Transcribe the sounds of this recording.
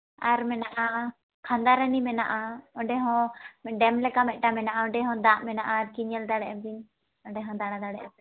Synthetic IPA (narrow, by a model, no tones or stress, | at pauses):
aɾmɛnaʔa | kʰãnd̪aɾənimɛnaʔaɔ̃ɖɛɦɔ̃ɖɛmlɛkamɛʔ̚ˀʈamɛnaʔaɔ̃ɖɛɦɔ̃d̪aʔmɛnaʔaɾkiɲɛld̪aɽɛʔɛbiɲ | ɔ̃ɖɛɦɔ̃d̪aɽad̪aɽɛʔɛ